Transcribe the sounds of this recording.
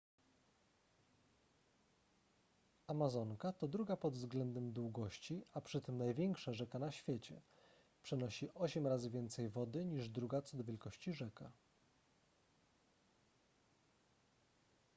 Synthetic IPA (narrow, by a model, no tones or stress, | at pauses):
amazɔŋkat̪ɔd̪ɾuɡapɔd̪vzɡlɛnd̪ɛmd̪wuɡɔɕt͡ɕiapʂɘt̪ɘmnajvʲjɛŋkʂaʐɛkanaɕfʲjet͡ɕɛ | pʂɛnɔɕiʔɔɕɛmɾazɘvʲjɛnt̪sɛjvɔd̪ɘɲiʐd̪ɾuɡat̪sɔd̪ɔvʲjɛlkɔɕt͡ɕiʐɛka